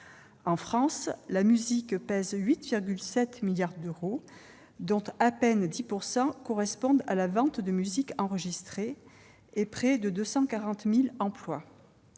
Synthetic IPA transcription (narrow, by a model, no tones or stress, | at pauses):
ɑ̃fχɑ̃slamyzikpɛzɥit̪viʁɡʲylsɛt̪miljaʁd̪øʁo | d̪ɔ̃t̪apɛnd̪ipuʁsɑ̃kɔʁɛspɔ̃d̪alavɑ̃t̪d̪əmyzikɑ̃ʁəʒist̪χe | epχɛd̪əd̪øsɑ̃kaʁɑ̃t̪milɑ̃plwa